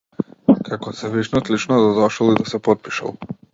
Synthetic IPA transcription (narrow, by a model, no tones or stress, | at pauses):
kakɔsɛviʃnɔt̪lit͡ʃnɔd̪ad̪ɔʃɔlˠid̪asɛpɔt̪̚pi̥ʃa̰lˠ